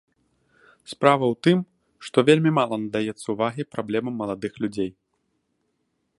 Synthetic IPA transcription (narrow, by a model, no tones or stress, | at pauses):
spɾavɐwt̪ɨm | ʂt̪ɔvʲelʲmʲimalˠɐnɐd̪ajɛt̪sːɐuvaɣʲipɾablʲɛmɐmːɐlˠad̪ɨxlʲud͡zʲej